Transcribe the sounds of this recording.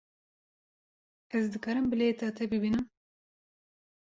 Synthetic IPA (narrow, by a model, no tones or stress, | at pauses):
ɛzd̪ɨkɑːɾɨmbɨlet̪ʰɑːt̪ʰɛbɨbiːnɨm